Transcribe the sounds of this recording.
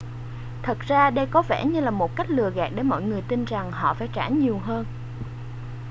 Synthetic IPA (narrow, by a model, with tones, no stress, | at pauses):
t̪ʰə˨˩t̚z̥aː˧ɗə˧jkɔ˨˦vɛ̰˧˩ɲɨ˧laː˨˩mo˨˩t̚ka˦˥k̚lɨ˨˩əɣa̰ː˨˩k̚ɗe˨˧˦nmɔ̰˧˨jŋɨ˨˩əjt̪i˧nza˨˩ŋhɔ̰˧˨faː˧˩jt͡ɕaː˧˥ɲi˨˩əwɦəː˧n